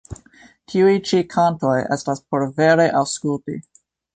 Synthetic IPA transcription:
tʰiujt͡ʃikʰanto̞jʔestaspo̞ɾveɾeʔawskultḭ

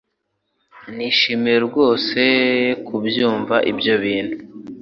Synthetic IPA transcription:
niːʃimiɾeɾɡo̞ːse̞kʰubjuːɱvaʔibjo̞βiːnhu

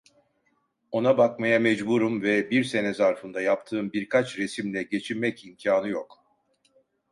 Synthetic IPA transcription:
o̞nabakmajamɛd͡ʒbuɾumvɛbiɾse̞nɛzaɾfɯnd̪ajap̚t̪ʰɯːmbiɾkʰat͡ʃɾe̞simlʲɛɟe̞t͡ʃʰiɾmɛcimcʰaːnɯjo̞k

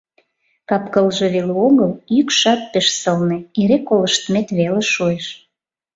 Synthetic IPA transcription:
kɑpkəlʒeβeluoɣəlykʃɑt̪̚peʃsəlnĕeɾekoləʃt̪met̪βeleʃueʃ

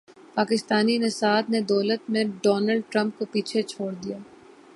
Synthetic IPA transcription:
paːkɪst̪aːninɪsaːd̪ned̪ɔːlət̪mẽɖɔːnəlɖʈɾɐ̃mp̚kopiːt͡ʃʰet͡ʃʰoːɽd̪ijaː

